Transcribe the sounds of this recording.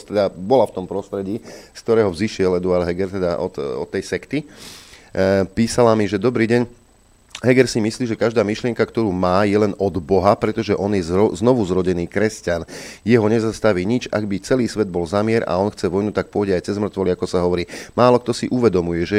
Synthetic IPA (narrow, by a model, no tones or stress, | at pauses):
t̪ɛd̪abɔlaft̪ɔmpɾɔst̪ɾɛɟiːsk̚t̪ɔɾɛːɦɔvziʃɪɛlɛd̪uaɾd̪ɦɛɡɛɾt̪ɛd̪aʔɔt̪ɔ̰t̪ːɛjsɛkt̪i | piːsalamiʒɛd̪ɔbɾiːɟɛɲ | ɦɛɡɛɾsimisliːʒɛkaʒd̪aːmiʃlɪɛŋkakt̪ɔɾuːmaːjɛlɛnɔd̪bɔɦapɾɛt̪ɔʒɛʔɔnjɛzɔznɔʋuzɾɔɟɛniːkɾɛscanjɛɦɔɲɛzast̪aʋiːɲit͡ʃa̰ɡbit͡sɛliːsʋɛd̪̚bɔlzamɪɛɾa̰ɔnxt͡sɛʋɔjnut̪ak̚pʊɔɟɛajt͡sɛzmr̩t̪ʋɔliakɔsaɦɔʋɔɾiːmaːlɔk̚t̪ɔsiʔuʋɛd̪ɔmujɛʒɛ